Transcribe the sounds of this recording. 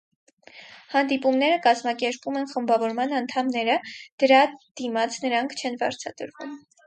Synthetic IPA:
hɑnd̪ipumnɛɾəkɑzmɑkɛɾpumɛnχəmbɑvɔɾmɑnɑnt̪ʰɑmnɛɾəd̪̥əɾɑd̪̥imɑt͡sʰnəɾɑŋkʰt͡ʃʰɛnvɑ̰ɾt͡sʰɑt̪əɾvṵm

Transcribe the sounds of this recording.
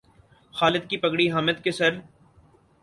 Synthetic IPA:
xaːlɪd̪̚kipɐkɽiɦaːmɪd̪kesɐɾ

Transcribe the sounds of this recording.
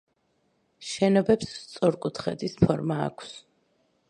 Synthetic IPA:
ʃɛnɔbɛpst̪sʼɔɾkʼut̪ʰχɛ̰d̪ispʰɔɾma̰ːkʰs

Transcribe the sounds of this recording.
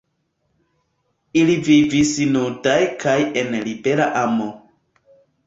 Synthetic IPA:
ilivivisinudajkaje̞nlibe̞ɾaʔamo

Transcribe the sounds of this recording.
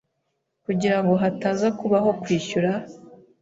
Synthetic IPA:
kuɟiɾaŋɡo̞ɦataːzakuβaɦo̞kwiːʃuɾa

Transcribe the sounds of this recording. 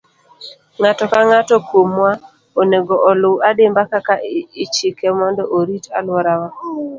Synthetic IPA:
ŋatɔkaŋatɔkwomwa | oneɡoʔɔlʊwadembakakait͡ʃikɛmɔndɔʔoɾitalwɔɾawa

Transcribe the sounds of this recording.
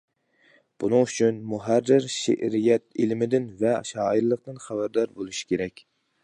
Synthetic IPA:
b̥unɨŋyt͡ʃʰynmuɦærːɪɾʃḛʔɾijɛt̪̚ilmɪd̪ɪnvɛʃɑːiɾlˠəqt̪ɨnχæbæɾd̪ɑɾbolˠuʃi̥kʲʰeɾɛkʲ

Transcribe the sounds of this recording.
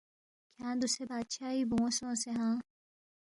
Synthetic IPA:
kʰãːd̪usebaːd̪ɕaːiːbõːsõːseɦãː

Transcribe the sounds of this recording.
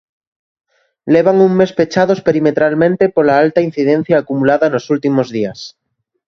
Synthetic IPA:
leβ̞aŋuŋmespet͡ʃað̞ospeɾimet̪ɾalmẽnt̪epolaalt̪ain̟θiðẽn̟θjaːkumulaðanosult̪imozðias

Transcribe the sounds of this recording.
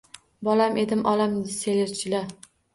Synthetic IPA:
bɒlamʔe̞d̪ɪmʔɒlamʲɪseleɾt͡ʃʰɪla

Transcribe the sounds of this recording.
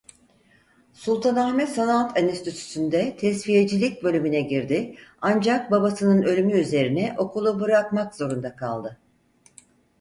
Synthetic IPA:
sulˠt̪ʰanahmɛsanat̪ʰanist̪yt̪ʰy̥synd̪ɛt̪ʰɛsfije̞d͡ʒilʲic̚bø̞lʲymynɛɟiɾd̪ɪand͡ʒak̚babasɯnɯnø̞lʲymyyze̞ɾinɛʔo̞kʰulˠubɯɾakmakz̥o̞ɾund̪akʰa̰lˠd̪ɯ

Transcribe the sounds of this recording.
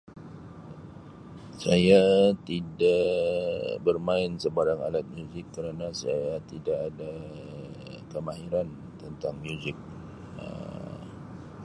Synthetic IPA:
sajat̪ida | bərmãɪnsəbaɾaŋa̰lat̪̚mjuzɪkːəɾanãsa̰jat̪idaʔada | kəmaɦiɾan | t̪ənt̪aŋmjuzɪk̚ | ə̰

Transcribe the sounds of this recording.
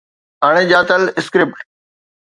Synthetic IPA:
aːɽ̃eʄaːt̪əlɪskɾɪp̚ʈ

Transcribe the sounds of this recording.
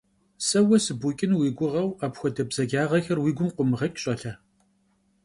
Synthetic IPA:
sɐwɐsɨbukʼɪnwiːɡʷʊʁɐwaːpxʷɔdɐbzɐɡaːʁɐxɐrwiːɡʷʊmqʷʊmʁɐkʲʼɕʼɐɬɐ

